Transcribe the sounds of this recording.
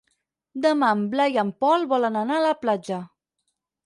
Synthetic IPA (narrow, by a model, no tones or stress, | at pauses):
d̪əmamblajampɔlβɔlənanaləplad͡ʒə